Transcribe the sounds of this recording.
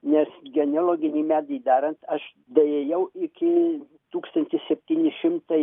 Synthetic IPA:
nʲɛsɡʲɛnʲɛlˠoːɡʲɪnʲiːmʲæːd̪ɐjd̪ɑːɾɐnt̪ɐʃ | d̪ɐeːjɛʊʔɪkʲɪ | t̪uːkst̪ɐnʲt̪ʲɪssʲɛpʲt̪ʲiːnʲɪʃʲɪmt̪ɐɪ

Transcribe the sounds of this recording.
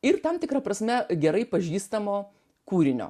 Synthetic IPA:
ɪrt̪ɐmt̪ʲɪkɾɐpɾɐsʲmʲɛɡʲɛɾɐɪpɐʒʲiːst̪ɐmoː | kuːɾʲɪnʲo̰ː

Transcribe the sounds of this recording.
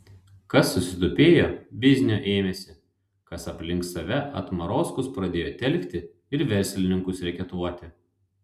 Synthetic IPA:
kɐsːʊsʲɪd̪ʊpʲeːjoːbʲɪzʲnʲoʔeːmʲɛsʲɪ | kɐsɐpʲlʲɪŋksɐʋʲɛʔɐ̰t̪mɐɾoːskʊspɾɐd̪ʲeːjoːt̪ʲɛlʲkt̪ʲɪ | ɪɾʋʲɛɾʲˑsʲlʲɪnʲɪŋkʊsɾʲɛkʲɛt̪uɔt̪ʲɪ

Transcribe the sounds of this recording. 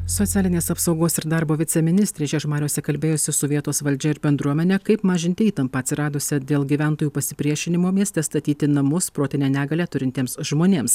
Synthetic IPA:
soːt̪sʲæːlʲɪnʲeːsɐpsɒʊɡoːsɪɾd̪ɑːɾboːʋʲɪt̪sʲɛmʲɪnʲɪst̪ɾʲeːʃʲɛʃmɑːɾʲoːsʲɛkɐlʲbʲeːjosʲɪsʊʋʲiɛt̪oːsʋɐlʲd͡ʒʲɛɪɾbʲɛnd̪ɾuɔmʲɛnʲɛkɐɪpmɑːʒʲɪnt̪ʲɪiːt̪ɐmpɐːt̪ʲsʲɪɾɑːd̪osʲɛd̪ʲeːlˠɡʲiʋʲæˑnt̪oːjuːpɐsʲɪpʲɾʲiɛʃʲɪnʲɪmoːmʲiɛst̪ʲɛst̪ɐt̪ʲiːt̪ʲɪnɐmʊspɾoːt̪ʲɪnʲɛːnʲæːɡɐlʲæːt̪ʊɾʲɪnʲt̪ʲiːmsʒmoːnʲeːms

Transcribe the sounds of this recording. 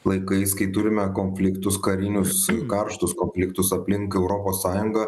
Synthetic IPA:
lˠɐɪkɐɪskɐɪt̪ʊɾʲɪmʲɛkoːnʲfʲlʲɪkt̪ʊskɐɾʲɪnʲʊskɐɾʃt̪ʊskoːnʲfʲlʲɪkt̪ʊsɐpʲlʲɪŋkɛʊɾoːpoːsːɑːjʊŋɡɐ

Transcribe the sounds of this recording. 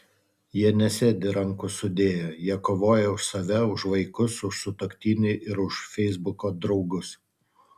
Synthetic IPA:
jiɛnʲɛsʲeːd̪ʲɪɾɐŋˑkʊsʊd̪ʲeːjoːjiɛkoːʋoːjɛʊʃsɐʋʲɛʊʃʋɐɪkʊsʊʃsʊt̪okʲt̪ʲiːnʲɪʔɪɾʊʃfʲɛɪzbʊkoːd̪ɾɒʊɡʊs

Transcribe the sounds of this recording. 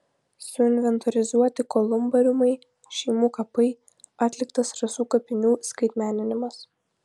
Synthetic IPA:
sʊɪnʲʋʲɛnt̪ɔɾʲɪzuɔt̪ʲɪkɔlˠʊmbɐɾʲʊmɐɪ | ʃʲɛɪmuːkɐpɐɪ | ɑːt̪ʲlʲɪkt̪ɐsɾɐsuːkɐpʲɪnʲuːskɐɪt̪ʲmʲæːnʲɪnʲɪmɐs

